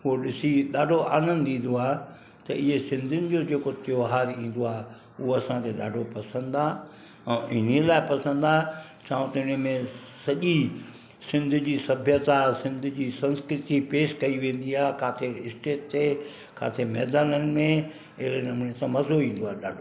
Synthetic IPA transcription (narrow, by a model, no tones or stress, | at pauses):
ɦuoɗɪsiɗaːɖʱoaːnənɪ̆d̪ĩːn̆d̪oaːɦ | t̪ɐʔɪɦesɪ̃nd̪ʱʊnɪ̆d͡ʑoːd͡ʑeːkot̪ɪjoɦaːɾĩːn̆d̪oaːɦe | ʊɦoɐsãkʰeɗa̰ːɖʱopɐsə̃nd̪aː | ɛ̃ːʔɪnilaːɪpɐsə̃nd̪aː | t͡ɕaːʊ̃t̪ɪnmẽ | sɐʄi | sɪ̃nd̪ʱʊd͡ʑiːsɐbʱjət̪asɪ̃nd̪ʱʊ̆d͡ʑiːsɐ̃nskɾɪt̪ipeːʃkɐiʋẽːn̆d̪iaːekaːt̪ʰeɪsʈeːʈ̚te | ka̰ːt̪ʰemɛːd̪aːnənɪ̆mẽ | ɪɦlenɐmuːnet̪ãmɐzoĩːn̆d̪oaːɦɗa̰ːɖʱo